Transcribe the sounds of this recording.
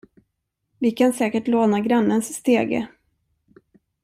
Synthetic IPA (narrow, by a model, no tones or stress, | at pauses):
vɪkʰansɛːkəʈloːnaɡɾanːənsːt̪eːɡə̰